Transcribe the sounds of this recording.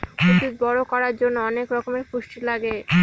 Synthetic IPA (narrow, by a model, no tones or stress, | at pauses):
kot̪it̪̚bɔɾokɔɾaɾd͡ʑonːoɔnekɾɔkomeɾpuʃʈilaɡe